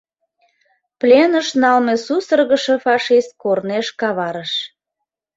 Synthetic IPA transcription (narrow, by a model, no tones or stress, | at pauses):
plʲenəʃnɑlmesusərɣəʃefɑʃist̪̚korneʃkɑβɑɾəʃ